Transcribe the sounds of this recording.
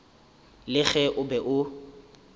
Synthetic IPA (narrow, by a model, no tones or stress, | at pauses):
lɪɣɛʔʊbɛʔʊ